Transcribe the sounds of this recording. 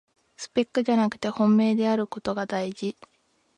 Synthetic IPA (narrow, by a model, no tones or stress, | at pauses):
sɨ̥pe̞kːɯ̟ʑanakɯ̟t̪e̞hõ̞mːe̞ːd̪e̞aɾɯ̟ko̞t̪o̞ɡad̪aiʑi